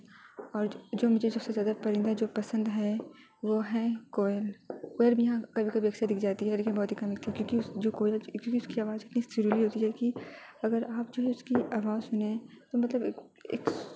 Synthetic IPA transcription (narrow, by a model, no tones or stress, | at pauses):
ɔːɾd͡ʒoːmʊd͡ʒʱesɐbsezjaːd̪apɐɾɪ̃nd̪ad͡ʒoːpɐsə̃nd̪ɦɛ | ʋoɦɛkoːlkeːɪlbʱijɐɦãkɐbʱikɐbʱijɐkʃad̪ɪkʰd͡ʒaːt̪iɦɛleːkɪ̃nbɔːt̪ɦikɐmɪk̚t̪ʰikjõːkisd͡ʒoːkoːɪlkjõːkiʊskiaːʋaːzɪt̪nisɪɾiliɦoːt̪iɦɛkiɐɡəɾaːp̚d͡ʒoːɦɛʊskiaːʋaːzsʊnet̪omɐt̪ləb | ḛːk